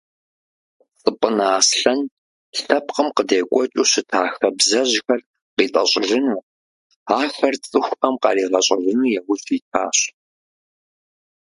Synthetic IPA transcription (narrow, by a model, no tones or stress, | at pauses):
t͡sʼɨpʼənaːsɬɐn | ɬɐpqəmqədeːkʷʼɔt͡ʃʼuːɕɪtʰaːxɐbzɐʑxɐr | qiːtʼɐ̰ɕʼɪrɨnuː | aːxɐrt͡sʼɨxʷɐmqɑ̰riːʁɐɕʼɪrɨnuːjɛwʷʊɕiːtʰa̰ːɕ